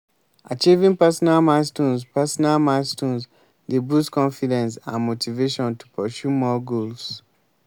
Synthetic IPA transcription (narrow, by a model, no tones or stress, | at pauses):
at͡ʃivĩŋpasɔnalmãstũnspasɔnalmãstũns | debuskɔ̃nfidɛ̃ns̬ãnmotʰiveʃɔ̃ntu̥pʰɔsjumɔɡols